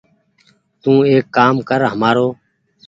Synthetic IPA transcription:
t̪ũːeːkːaːmkəɾɦəmaːɾoː

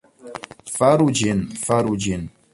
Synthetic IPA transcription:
faɾud͡ʒinfaɾud͡ʒin

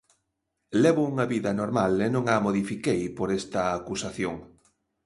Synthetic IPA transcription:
leβʊuŋɐβiðɐnoɾmalenõŋamoðifikejpoɾest̪ɐːkusaθjoŋ

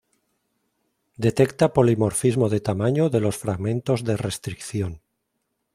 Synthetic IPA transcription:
d̪e̞t̪e̞kt̪apo̞limo̞ɾfizmoðe̞t̪amaɲoðe̞lo̞sfɾaɣmẽ̞nt̪o̞zðe̞re̞st̪ɾikθjon

